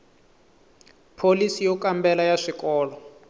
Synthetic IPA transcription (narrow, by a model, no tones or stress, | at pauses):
pʰolisijɔkambɛlajaʂikʼɔːlɔ